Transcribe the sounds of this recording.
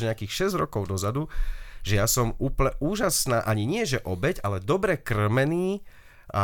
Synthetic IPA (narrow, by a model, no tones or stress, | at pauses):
ɲɛakiːxʃɛzɟɾɔkɔʊd̪ɔzad̪uʒɛjasɔmuːplɲɛʔuːʒasnaːʔaɲiɲɪɛʒɛʔɔbɛɟalɛd̪ɔbɾɛkr̩mɛniː | a̰